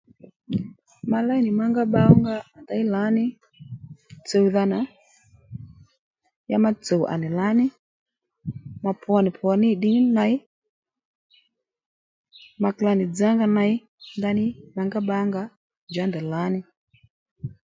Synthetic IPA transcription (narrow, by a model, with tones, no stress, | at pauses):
ma˨la˦i˦ni˨ma˦ŋɡa˦ɓa˦ɔ˦ŋɡa˦a˨da˨i˦la˨˦ni˦ | t͡sɛ˨u˨ða˧na˨ | ja˦ma˦t͡sɛ˨u˨ʔa̰˨ni˨la˦ni˦ | ma˨pa˨ni˨pʰwɔ˨ni˦˨ɗi˦ŋi˦na˨˦i˦ | ma˨kla˨ni˨d͡za˦ŋɡa˦na˧i˦ | nda˦ni˦ma˨ŋɡa˦ɓa˦ŋɡa˦ | d͡ʒa˨˦ndɛ˨la˨˦ni˦